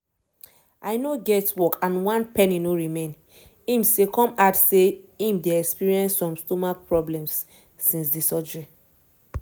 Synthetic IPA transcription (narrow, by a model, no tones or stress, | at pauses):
ʔaɪnoɡɛtwɔkʰãnwãnpɛninoɹimẽn | ĩmsekʰɔ̃matseĩmdeɛkspiɹiɛ̃nsːɔ̃mstɔmapʰɹɔblɛ̃msː | ĩnsdisɔd͡ʒɛ